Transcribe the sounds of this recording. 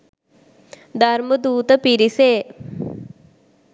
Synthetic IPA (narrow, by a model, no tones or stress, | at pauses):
d̪ʱɐɾməd̪uːt̪ɐpiɾiseː